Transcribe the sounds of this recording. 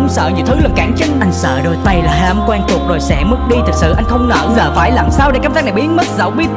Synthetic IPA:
wŋ͡msə̰ː˧˨ɲi˨˩əwt̪ʰɨ˨˦lə˨˩kaː˧˩ŋt͡ɕə˧˦nʔa˧jŋ̟sə̰ː˧˨ɗo˧˩jt̪a˧jlaː˨˩hɦaː˧˩mkwaː˧nt̪u˨˩k̚zo˨˩jsɛ̰˧˥mɨ˦˥k̚ɗi˧t̪ʰɨ˨˩k̚sɨ̰˧˨ʔa˧jŋ̟xə˧wŋ͡mnə̰ː˧˩˧zəː˨˩faː˧˩jlaː˨˩msaː˧wɗe˧˥kaː˧mzaː˦˥na˨˩ɓi˨˦ənmə˦˥t̚zə̰˧˨˦wɓi˦˥ət̚

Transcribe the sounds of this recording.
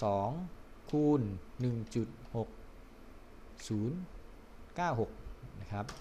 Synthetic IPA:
sɔː˩˦ŋkʰuː˧nːɯ˨˩ŋt͡ɕu˨˩t̪̚ho˨˩k̚ | suː˩˦˥n | kaː˥˩wɦo˨˩k̚na˦˥kʰɾa˦˥p̚

